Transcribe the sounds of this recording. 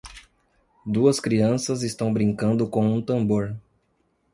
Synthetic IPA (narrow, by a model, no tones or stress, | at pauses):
d̪uɐskɾiɐ̃sɐzɪst̪ɐ̃w̃bɾĩŋkɐ̃nd̪ʊkõũt̪ɐ̃mboɾ